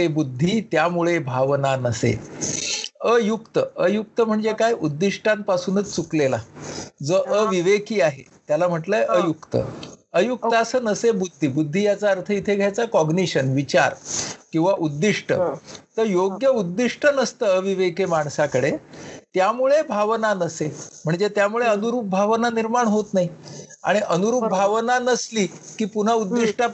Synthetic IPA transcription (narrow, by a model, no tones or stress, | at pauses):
ebud̪ʱːiːt̪jamuɭebʱaʋnanəsḛ | əjukt̪əəjuk̚t̪əm̤əɳd͡zekajʔud̪ːiʂʈãmpasuːnət͡st͡suklelad͡zəʔəʋiʋekiːaɦḛt̪jalam̤əʈləjʔəjukt̪ə̰əjuk̚t̪əasəːnəsebud̪ʱːiːbud̪ʱːijat͡saəɾt̪ʰəit̪ʰeɡʱjat͡sakɔɡniɕənʋit͡ɕa̰ɾkĩw̃ʋaʔud̪ːiʂʈʰə̰t̪əɾjoɡjəud̪ːiʂʈʰənəst̪əəʋiʋekemaɳsakəɽet̪jamuɭebʱaʋnanəsem̤əɳd͡zet̪jamuɭeənuɾup̚bʱaʋnaniɾmaɳɦot̪naɦia̰ɽ̃iʔənuɾuːpbʱaʋnanəsliːkiːpun̤aud̪ːiʂʈa